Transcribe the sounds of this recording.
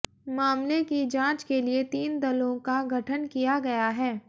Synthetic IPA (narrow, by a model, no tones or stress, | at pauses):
maːmlekid͡ʒãːt͡ʃkeliet̪iːnd̪ɐlõkaɡʱɐʈʰənkijaɡɐjaɦɛː